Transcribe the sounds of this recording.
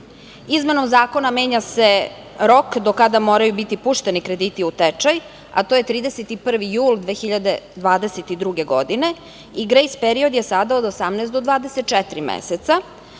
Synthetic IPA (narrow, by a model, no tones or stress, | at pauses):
izme̞no̞mzaːko̞name̞ːɲase̞ | ɾo̞kd̪okad̪amoːɾajubit̪ipuʃt̪enikɾe̞d̪iːt̪iut̪et͡ʃaj | a̰t̪oje̞t̪ɾiːd̪eset̪ipr̩ʋijuːlˠd̪ʋeːxiʎad̪e̞d̪ʋaːd̪e̞set̪id̪ɾuɡe̞ɡod̪ine̞ | iɡɾejspeɾio̞d̪je̞sad̪aod̪osamnɛːsd̪od̪ʋaːd̪eset̪̚t͡ʃɛt̪ɾimḛset̪sa